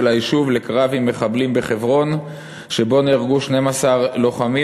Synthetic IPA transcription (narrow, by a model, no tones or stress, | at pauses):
laiʃuvle̞kʁavimːe̞χablimbe̞χe̞vʁo̞n | ʃe̞bo̞niʁɡuʃne̞masaʁlo̞χami